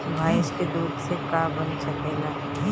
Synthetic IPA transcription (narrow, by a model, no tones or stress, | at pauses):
bʱaːɪʃked̪uːd̪sekaːbɐnt͡ʃɐkɛːlaː